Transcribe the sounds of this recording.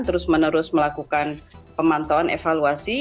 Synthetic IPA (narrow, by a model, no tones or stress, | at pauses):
t̪əɾʊsmənəɾʊsməlakukanpəmant̪oanʔḛfaluasi